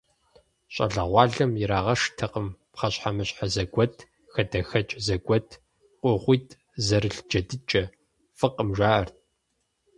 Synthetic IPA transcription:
ɕʼɐ̰ɮɐʁʷɑːɮɐmjɪɾaːʁɐʂtʰɐqʼəmpχɐɕħamɨɕʼħazɐɡʷɔtʰ | xɐdɐxɐt͡ʃʼzɐɡʷɔtʰ | qʷʼɔʁʷiːtʰʼ | zɐɾɨɬd͡ʒɐdɨt͡ʃʼɐ | fɨqʼəmʒʷaːʔɐrt̚ʰ

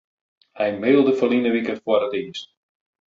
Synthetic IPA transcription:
hɛjmeːlˠdəfəlinəʋikəfwɔrətiːst̚

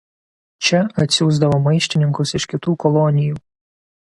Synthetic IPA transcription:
t͡ʃʲɛɐt̪ʲsʲuːzd̪ɐʋoːmɐɪʃʲt̪ʲɪnʲɪŋkʊsɪʃʲkʲɪt̪uːkɔlˠɔnʲɪjuː

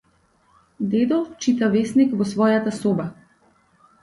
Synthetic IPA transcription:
d̪ed̪ɔt͡ʃit̪avesnikvɔsʋɔjat̪asoba

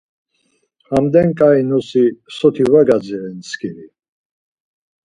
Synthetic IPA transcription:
amd̪ɛnkʼainɔsisɔt̪ʰivaɡad͡zɛɾɛnsʰkʰiɾi

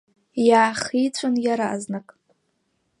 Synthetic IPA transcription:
jaːχijt͡sʷʰʼanjaɾaʔaznakʼ

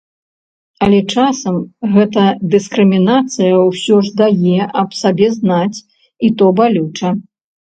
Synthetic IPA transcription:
ɐlʲɛt͡ʂasɐmɣɛt̪ɐd̪ɨskɾɨmʲinat̪sɨjɐwsʲɔʐd̪ajɛʔɐpsabʲɛznat͡sʲ | it̪ɔbalʲut͡ʂɐ

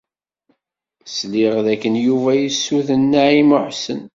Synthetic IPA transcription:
sliʁðækːənjuvæjisːuθənːaʕiməħsən

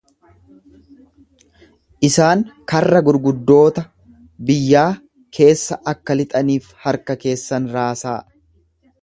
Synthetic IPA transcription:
ʔɪsaːŋkɐrːɐɡʊɾɡʊd̪ːo̞ːt̪ɐ | bɪjːaː | kʰe̞ːsːɐʔɐkːɐlɪt̪ʼɐniːfhɐɾkɐke̞ːsːɐnɾaːsaː

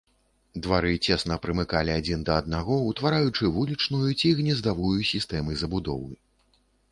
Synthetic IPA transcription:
d̪vaɾɨt͡sʲɛsnɐpɾɨmɨkalʲiad͡zʲind̪ɐɐd̪̚naɣɔut̪vaɾajut͡ʂɨvulʲit͡ʂnujut͡sʲiɣnʲɛzd̪avujusʲist̪ɛmɨzɐbud̪ɔ̰wɨ

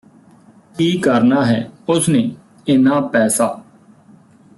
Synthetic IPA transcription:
kiːkəɾnaːɦɛːʊsneː | ɪnãːpɛːsaː

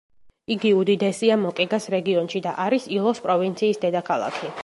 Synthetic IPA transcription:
iɡiud̪id̪ɛsiamɔqʼiɡasɾɛɡiɔnʃid̪aʔaɾisilˠɔspʼɾɔvint̪sʰiːsd̪ɛd̪akʰalˠa̰kʰi

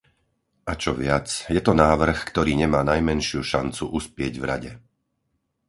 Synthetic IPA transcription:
at͡ʃɔʋɪat͡sjɛt̪ɔnaːʋr̩xkt̪ɔɾiːɲɛmaːnajmɛnʃɪuʃant͡suʔuspɪɛɟvɾa̰ɟɛ

